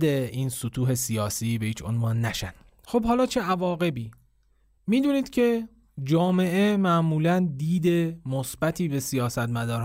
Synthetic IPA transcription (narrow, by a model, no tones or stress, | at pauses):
d̪eiːnsot̪ʰuːɦe̞sijɒːsiːbe̞iːt͡ʃʰo̞̰nvɒːnːæʃæn | xobhɒːlɒːt͡ʃʰeʔævɒːɣe̞biː | miːd̪uːniːd̪̥cʰe̞ | d͡ʒɒːme̞ʔe̞mæʔmuːlænd̪iːd̪e̞mosb̥æt̪ʰiːbe̞sijɒːsæt̪mæd̪ɒːɾh